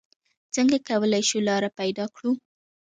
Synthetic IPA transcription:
t͡səŋɡakawəlajʃulɑɾapajd̪ɑkɽu

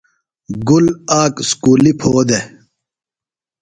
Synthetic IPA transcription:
ɡulaːkskuːlipʰoːd̪e

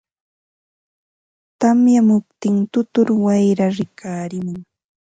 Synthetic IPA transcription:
t̪amjamʊp̚t̪ɪŋt̪ʊt̪ʊɾwajɾaɾɪkʰaːɾɪmʊŋ

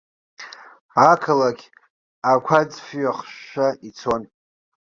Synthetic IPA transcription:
akʰɨlaɡʲ | akʷʰad͡zfɥaχʃaʔit͡sʰo̞n

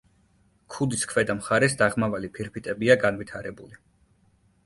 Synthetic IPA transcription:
kʰud̪iskʰvɛd̪amχaɾɛsd̪aʁmavalipʰiɾpʰit̪ʼɛbiaɡanvit̪ʰaɾɛbuli

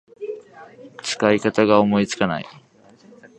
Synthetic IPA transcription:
t͡sʰkajkat̪aɡawmoit͡skana̰j

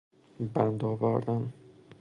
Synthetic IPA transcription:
bænd̪ɒːvæɾd̪æn

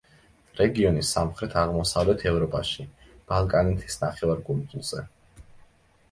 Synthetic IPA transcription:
ɾɛɡiɔnisːamχɾɛt̪ʰaʁmɔsavlɛt̪ʰɛvɾɔpʼaʃi | b̥alˠkʼanɛt̪ʰi̥snaχɛvaɾɡult̪ʼulˠz̥ɛ

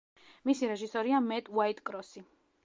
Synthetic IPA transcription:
misiɾɛʒisɔɾiamɛt̪ʼwait̪ʼkʼɾɔsi

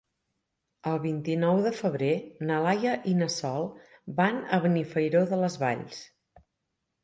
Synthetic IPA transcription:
əlˠβint̪inɔwðəfəβɾenəlajəʔinəsɔlˠbanəβənifəjɾoðələzβa̰ʎs

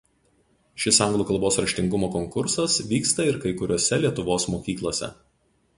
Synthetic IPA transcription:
ʃʲɪsɐŋɡlˠuːkɐlˠboːsɾɐɾʲʃʲt̪ʲɪŋɡʊmoːkɔŋkʊɾsɐsʋʲiːkst̪ɐɪɾkɐɪkʊɾʲoɔːsʲɛlʲiɛt̪ʊʋoːsmoːkʲiːklˠoːsʲɛ̰

